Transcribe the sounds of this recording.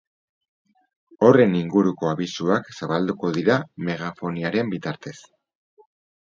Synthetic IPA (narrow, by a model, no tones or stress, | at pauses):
o̞re̞niŋɡuɾuko̞aβisuaksaβald̪uko̞ðiɾame̞ɣafo̞niaɾe̞mbit̪aɾt̪e̞s